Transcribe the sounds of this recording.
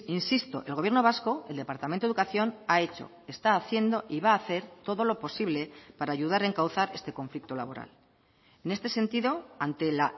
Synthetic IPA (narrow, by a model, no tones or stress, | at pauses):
insist̪o̞ʔe̞lɣ̞oje̞ɾno̞β̞asko̞eld̪e̞paɾt̪amẽnt̪oukaθjo̞nae̞t͡ʃo̞̰ | e̞st̪aːθje̞nd̪o̞ʔiβaːθe̞ɾt̪o̞ðo̞lo̞po̞siβle̞paɾaːʝuðaɾeŋkawθaɾe̞st̪e̞ko̞ɱflik̚t̪o̞laβo̞ɾa̰l | ene̞st̪e̞se̞nt̪iðo̞ant̪e̞la